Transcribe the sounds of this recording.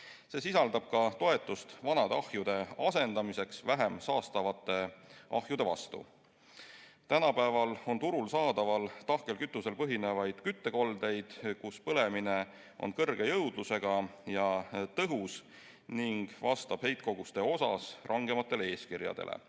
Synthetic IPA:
se̞ːsisɑld̪ɑb̥̚kɑt̪o̞e̞t̪ːˑust̪vɑnɑd̪ɑhjud̪̥e̞ɑse̞nd̪̥ɑmise̞ksvæɦe̞msɑːst̪ɑvɑt̪ːˑe̞ʔɑ̰hjud̪̥e̞vɑ̰st̪ṵ | t̪ænɑpæevɑlo̞nt̪uɾulsɑːd̪̥ɑvɑlt̪ɑhke̞lkyt̪ːˑuse̞lpɤɦine̞vɑjd̪̥kyt̪ːe̞ko̞ld̪e̞jd̪̥kuspɤle̞mine̞ | ʔo̞̰nkɤrɡ̥e̞jɤwd̪̥luse̞ɡ̥ɑjɑt̪ɤɦus | niŋɡ̥vɑst̪ɑb̥he̞jt̪̚ko̞ɡ̥ust̪e̞o̞sɑ̰srʔɑŋɡ̥e̞mɑt̪ːˑe̞lee̞ːskirjɑ̰d̪ḛlʔḛ

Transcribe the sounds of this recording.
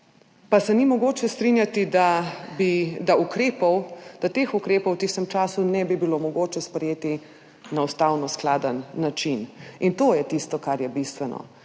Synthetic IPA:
pasɛnimɔɡoːt͡ʃɛst̪ɾinjat̪id̪abid̪aukɾeːpɔwd̪̥at̪eːxukɾeːpɔwt̪ist̪əmt͡ʃaːsunɛbibilomɔɡoːt͡ʃɛspɾɛjeːt̪i | naust̪awnɔsklaːd̪ənːat͡ʃinint̪oːjɛt̪ist̪ɔkaɾjɛbist̪ʋɛnɔ̰

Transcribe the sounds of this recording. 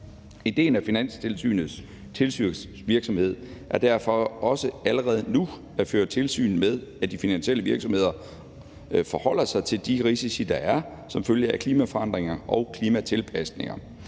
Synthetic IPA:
id̥e̝̰ːnæfinæn̰st͡sʰelsy̰ːnð̩ˠs | t͡sʰe̝lsy | ʋiɐɡ̥sɒ̽mhe̝ð̞̰ˠʔæɐd̥æɐ̰fɒ̽ɒ̽səæləʁɛːð̞ˠnu | æføːɐt͡sʰe̝lsy̰ːnmeð̞ˠæd̥ifinænɕieləʋiɐɡ̥sɒ̽mhe̝ð̞̰ˠɐ | fɒ̽hɒ̽l̰ɐsɑ̈ɪt͡sʰe̝ld̥iʁisisid̥ɑ̈ʔæɐ | sɒ̽mføljəʔækʰliːmæfɒɑ̈n̰d̥ʁeŋɐʔɒʊkʰliːmæt͡sʰe̝lpʰæsne̝ŋɐ

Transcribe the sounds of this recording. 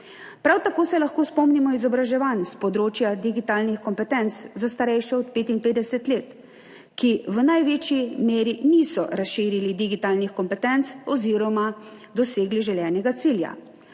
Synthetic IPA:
pɾawt̪akoːsɛlaxkoːspɔmnimɔizɔbɾaʒɛʋanspɔd̪ɾoːt͡ʃjad̪iɡit̪aːlnixkɔmpɛt̪ɛnt̪szast̪aɾɛjʃɛɔt̪peːt̪inpeːd̪ɛsɛt̪leːt̪ | kiʋənajʋeːt͡ʃimeːɾinisɔɾasʃiːɾilid̪iɡit̪aːlnixkɔmpɛt̪ɛnt̪sɔziːɾɔmad̪ɔseːɡliʒɛljɛːnɛɡat̪siːlja̰

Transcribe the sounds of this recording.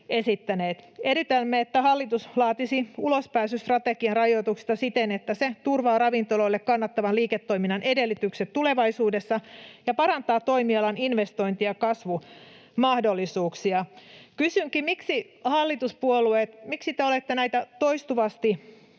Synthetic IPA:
esit̪ːæneːt̪eɾit̪elmːeet̪ːæhɑlːit̪uslɑːt̪isiulospæːsyst̪rɑt̪ekiɑnrɑjot̪ukst̪ɑsit̪enet̪ːæset̪urʋɑːɾɑʋint̪oloilːekkɑnːɑt̪ːɑʋɑnliːket̪ːo̞iminɑnʔedelːit̪ykset̪t̪ule̞ʋɑisuːdesːɑjɑpɑɾɑnt̪ɑːtt̪ːo̞imiɑlɑninʋest̪o̞jnt̪ijɑkɑsʋu | mɑhdo̞lːisuːksiɑkysyŋkimiksi | hɑlːit̪uspuoluet̪miksit̪eolet̪ːenæjt̪æt̪oist̪uʋɑst̪i

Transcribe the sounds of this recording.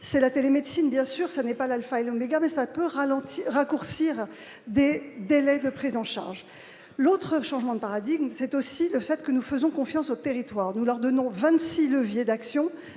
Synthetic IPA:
sɛlat̪elemed̪sinbjɛ̃syʁsanɛpalalfaɛlomeɡamɛsapøʁalɑ̃t̪iʁakuʁsiʁ | d̪ed̪elɛd̪əpχizɑ̃ʃa̰ʁʒ | lot̪χəʃɑ̃ʒmɑ̃d̪əpaʁad̪iɡmsɛt̪osiləfɛt̪kənufəzɔ̃kɔ̃fjɑ̃sot̪eʁit̪waʁnulœʁd̪ɔnɔ̃vɛ̃t̪siləvjed̪aksjɔ̃

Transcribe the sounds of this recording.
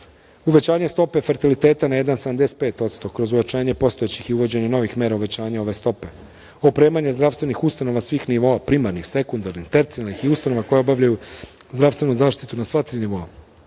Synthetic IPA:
uʋe̞t͡ɕaːɲe̞st̪o̞pe̞fe̞ɾt̪ilit̪e̞ːt̪anaje̞d̪ansed̪amd̪ese̥t̪̚pe̞ːt̪o̞t̪st̪okɾo̞zujat͡ʃaːɲe̞po̞st̪o̞et͡ɕixiuʋo̞d͡ʑe̞ɲe̞no̞ʋixme̞ːɾauʋe̞t͡ɕaːɲao̞ʋe̞st̪o̞pe̞ | opɾe̞ːmaɲezd̪ɾaʋst̪ʋe̞nixust̪ano̞ʋasʋiːxniʋo̞apɾimaɾnixse̞kund̪aɾnixt̪eɾt̪sialnixiust̪ano̞ʋako̞jeo̞baʋʎʲajuzd̪ɾaʋst̪ʋe̞nuzaːʃt̪it̪unasʋat̪ɾiːniʋo̞a

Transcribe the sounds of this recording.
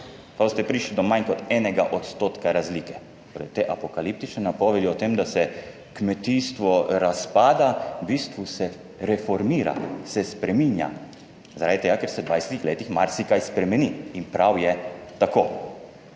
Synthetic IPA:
kawst̪ɛpɾiːʃlid̪ɔmankɔt̪ɛːnɛɡaʔɔt̪st̪oːt̪kaɾazlikɛtt̪oːɾɛ̰t̪eːʔapɔkalip̚t̪it͡ʃnɛnapɔʋed̪iɔt̪emd̪asɛ | kmɛt̪iːst̪ʋɔɾaspaːd̪abiːst̪ʋusɛ | ɾɛfɔɾmiːɾa̰sɛspɾɛmiːnja̰ | zaɾad̪it̪eːɡakɛɾsɛd̪ʋajsɛt̪ixleːt̪ixmaɾsikajspɾɛmɛniinpɾawjɛt̪akoː

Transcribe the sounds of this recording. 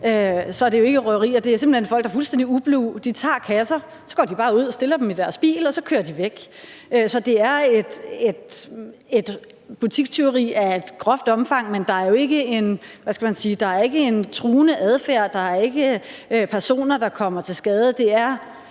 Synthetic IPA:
øsɒ̽d̥e̝joe̝ɡ̥əʁœʁḭːɐd̥e̝æɐse̝mb̥l̥̩henfɒ̽l̰ɡ̥̚d̥ɑ̈fulsd̥end̥iub̥luʊd̥it͡sʰɑ̰̈ːkʰæsɐ | sɒ̽ɡ̥ɒ̰ːd̥ib̥ɑ̈ːuð̞̰ˠɒ̽sd̥e̝lɐd̥emid̥æɐsb̥ḭːlɒ̽sɒ̽kʰø̰ːɐd̥iʋeɡ̥øsɒ̽d̥e̝æɐe̝d̥e̝d̥e̝d̥ | b̥ut͡sʰiɡ̥̚t͡sʰe̝ʊʁḭːæed̥ɡ̥ʰʁɒfd̥ɒ̽mfɑ̈ŋ̰mend̥ɑ̈æɐjo̝e̝ɡ̥əe̝nʋæsɡ̥æmænsiːd̥ɑ̈æɐe̝ɡ̥əe̝nt͡sʰʁuːnəʔæð̞ˠfæɐ̰d̥ɑ̈æɐe̝ɡ̥əpʰæɐso̝̰ːnɐd̥ɑ̈kʰɒ̽m̰ɐt͡sʰe̝lsɡ̥ɛːð̞ˠəd̥e̝æɐ

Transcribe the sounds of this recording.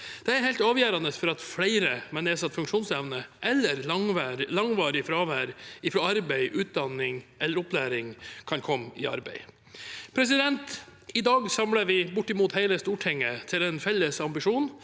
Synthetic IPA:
d̪̥ɛæɾhɛɪlt̪ɑːʋjæːɾɑnəsfɔɾɑt̪flæɪɾəmɛneːsɑt̪ːfʉŋkʂuːnsɛʋnəʔɛlːəɾɑŋʋæːɾlɑŋʋɑːɾɪfɾɑːʋæːɾɪfɾoːɑɾbæɪʔʉːt̪̚d̪ɑnːɪŋʔɛlːəɾɔplæːɾɪŋkʰɑnkʰɔmɪɑ̰ɾbæ̰ɪ | pʰɾɛs̬ɪd̪ɛnt̪ɪd̪ɑːɡsɑmlɑɾʋɪbʊʈːɪmuːt̪hæɪləst̪uːʈʰɪŋːət̪ʰɪlɛnfɛlːəsɑmbɪʂuːn

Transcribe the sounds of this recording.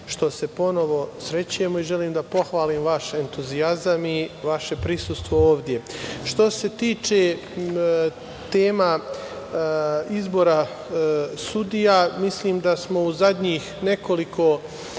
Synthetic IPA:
ʃt̪o̞se̞po̞no̞ʋo̞sɾe̞t͡ɕuje̞moiʒe̞liːmd̪apo̞xʋaːliːmʋaʃe̞nt̪uziazamiʋaʃe̞pɾisust̪ʋo̞oːʋd̪ʲje̞ʃt̪o̞se̞t̪iːt͡ʃe | t̪eːma | izbo̞ɾa | sud̪ijamisliːmd̪asmo̞uzad̪ɲiːxne̞ko̞likʰo̞

